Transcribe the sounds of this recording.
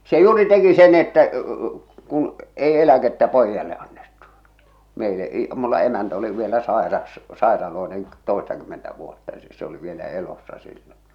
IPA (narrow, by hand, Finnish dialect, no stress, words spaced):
se juːri teki sen etːæ kun ei elæketːæ poijːɑle ɑnːetːu meileʔ i mulːɑ emæntæ oli ʋielæ sɑˑerɑs sɑˑerɑloenen toˑestɑkymːentæ ʋuotːɑ s̆ĕ se oli ʋielæ elosːɑ silːon̞